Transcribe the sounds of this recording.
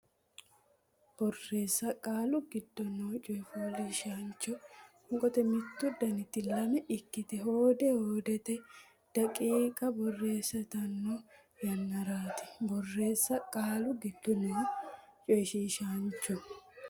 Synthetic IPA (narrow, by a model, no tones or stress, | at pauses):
b̥ɔrːe̞ːsːɐkʼaːlʊɡɪd̪ːɔnoːt͡ʃʼɔjfoːliːʃaːnt͡ʃːɔ | ʊŋkʼɔt̪ɛmɪt̪ːʊd̪ɐnɪt̪ːɪlɐmɛʔɪkːɪt̪ɛɦoːd̪ɛhoːd̪ɛt̪ɛ | d̪̥ɐkʼiːkʼɐbɔrːe̞ːsɐt̪ɐnːo | jɛnːɐɾaːt̪ɪ̥bɔrːe̞ːsːɐkʼaːlʊɡɪd̪̥ːɔnoːt͡ʃʼɔjʃiːʃaːnt͡ʃːɔ